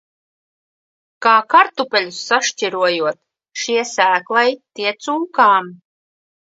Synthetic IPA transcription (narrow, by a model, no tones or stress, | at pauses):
kaːkaɾt̪upʲɛlʲusːaʃt͡ɕʲiɾuɔjuɔt̪̚ | ʃiɛsæːklˠajt̪iɛt̪suːkaːm